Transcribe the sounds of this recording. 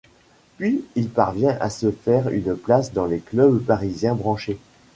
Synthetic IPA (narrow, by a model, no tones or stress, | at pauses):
pɥiilpaʁvjɛ̃ʔa̰səfɛʁy̰nplasd̪ɑ̃leklœbpaʁizjɛ̃bʁɑ̃ʃe